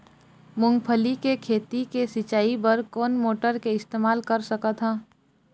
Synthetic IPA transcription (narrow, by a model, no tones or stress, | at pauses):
mʊ̃ŋɡpʰəlikekʰeːt̪ikesɪt͡ʃaːipəɾkoːnmoːʈəɾkeɪst̪eːmaːlkəɾsəkət̪ɦãː